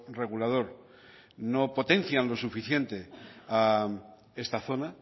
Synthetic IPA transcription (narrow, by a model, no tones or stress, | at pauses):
re̞ɣ̞ulað̞o̞ɾ | no̞po̞t̪e̞nθjanlo̞sufiθje̞nt̪e̞a | e̞st̪aθo̞na